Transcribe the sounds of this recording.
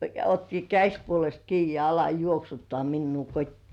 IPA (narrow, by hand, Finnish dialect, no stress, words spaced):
jɑ otːi kæsʲpuolest kiː jɑ ɑlɑ juoksutːoɑˑ minːuː kotʲtiː